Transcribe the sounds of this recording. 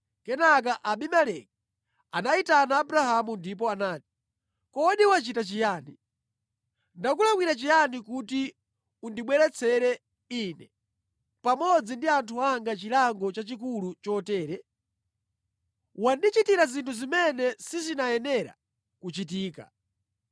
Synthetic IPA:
kɛnak̬aʔaɓimalɛki | anaitanaːbɾahamundip̬ɔanaːti̥ | kɔɗiwat͡ʃitat͡ʃijaːni | ndakulaŋwiɾat͡ʃijanikuti | undiɓwɛɾɛt͡sʰɛɾɛ | inɛ | pamɔd͡zindiantʰuaŋɡat͡ʃilaŋɡɔt͡ʃat͡ʃikulut͡ʃɔtɛːɾɛ | wandit͡ʃitiɾazintʰuzimɛnɛsizinajɛnɛɾa̰ | kut͡ʃit̬iːka̰

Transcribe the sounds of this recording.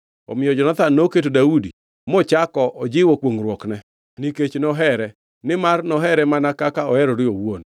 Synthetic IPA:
ɔ̰mɪjɔd͡ʒɔnat̪anːoket̬odaudi | mɔt͡ʃakɔʔɔd͡ʒɪwɔkwoŋɾwɔknɛ | niket͡ʃnɔɦɛɾɛ | nɪmarnɔɦɛɾɛmanakakaɔɛɾɔɾɪowon

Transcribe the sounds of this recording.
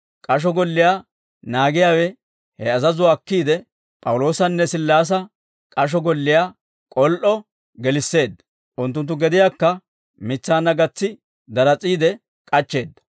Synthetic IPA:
kʼɐʃ̬ɔɡɔlːɪjaː | naːɡɪjaːwɛ | hɛɐzɐzʊwɐkːiːd̪ɛ | pʼɐwlo̞ːsɐnːɛsɪlːaːs̬ɐ | kʼɐʃ̬ɔɡɔlːɪjaː | kʼɔlʔɔ | ɡɛlɪsːe̞ːd̪ːɐ | ʔʊnt̪ːʊnt̪̬ːʊɡɛd̪ɪjaːkːɐ | mɪt͡sːaːnːɐɡɐt͡sːɪ | d̪ɐɾɐt͡sʼiːd̪ɛ | kʼɐt͡ʃːe̞ːd̪ːɐ̥

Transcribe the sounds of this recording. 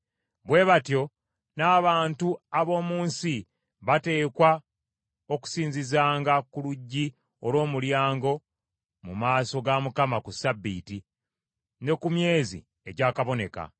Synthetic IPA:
βwe̞ːβatjo̞ | naːβaːntuaβo̞ːmuːnsi | βate̞ːkwa | oku̥siːɲzizaːŋɡakuluɟːi | o̞lwo̞ːmuljaːŋɡo̞ | mumaːso̞ɡamukamakusabːḭːti | ne̞kumje̞ːzḭ | e̞ɟaːkaβo̞ne̞̰ka̰

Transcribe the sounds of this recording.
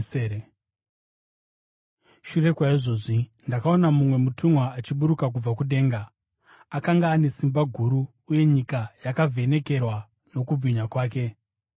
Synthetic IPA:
ʃure̞kwaiʐo̞ʐindakao̞namumwe̞mutumwaːt͡ʃiɓuɾukak̬ub͡vakuɗe̞ːŋɡaː | kaŋɡaːne̞simbaɡʱuɾuː | je̞ɲikajakavʱe̞ne̞ke̞rwa | no̞kubʱiɲakwaːke̞

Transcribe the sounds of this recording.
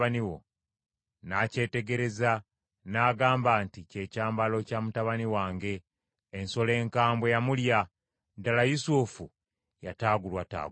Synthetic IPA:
aniwo̞̰ | nace̞ːte̞ɡe̞ɾe̞za | naːɡaːmbaːntice̞ːcaːmbalo̞caːmutaβaniwaːŋɡe̞ː | nso̞le̞ːŋkaːmbwe̞jamulja | dalajusufu | jataːɡulwata̰ːɡ

